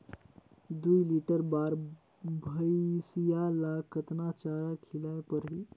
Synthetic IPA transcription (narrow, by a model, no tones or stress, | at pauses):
d̪ujliʈəɾbaɾ | bʱəjsijalakət̪nat͡ʃaɾakʰilaepəɾɦi